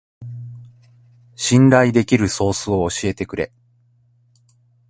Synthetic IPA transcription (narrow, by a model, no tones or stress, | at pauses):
ɕĩnɾaid̪e̞kʲiɾɯ̟so̞ːsɨo̞ːɕie̞t̪e̞kɯ̟ɾe̞̰